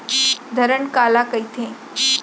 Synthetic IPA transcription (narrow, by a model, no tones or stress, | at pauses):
d̪ʱəɾəɳkalakəjt̪ʰẽ